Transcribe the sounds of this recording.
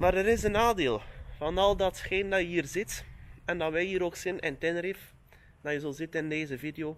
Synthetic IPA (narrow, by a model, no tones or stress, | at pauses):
maɾəɾɪzənaːdeːlˠvɑnɑlˠdɑtxeːnədɑjəɦiːrzɪtɛndɑʋɛhiːɾoːksɪnɛntɛnrif | dɑjəzəlˠzɪtənɪndeːzəvideoː